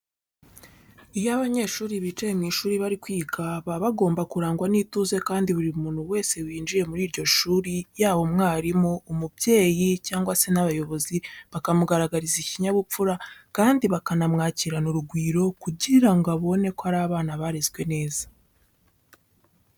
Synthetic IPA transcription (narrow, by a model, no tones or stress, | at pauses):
ijaβaɲe̞ʃuːɾiβiːt͡ʃejemŋiːʃuːɾiβaɾikwiːkʰaβaβaɡo̞ːmbakuɾaːŋɡwaniːtuze̞kaːndiβuɾiumuːn̥huwe̞ːse̞wiːnd͡ʒiɾe̞muɾiːɾɟo̞ʃuːɾijaːβo̞mŋaːɾimoːmubje̞ːjicaːŋɡwase̞naβajo̞βo̞ziβakamuɡaɾaɡaɾiziciɲaβup͡fuɾakaːndiβakanamŋaːciɾanuɾuɡwiːɾo̞kuɟiɾaŋɡaβo̞ne̞koaɾaːβaːnaβaɾezɡwe̞ne̞ːzḁ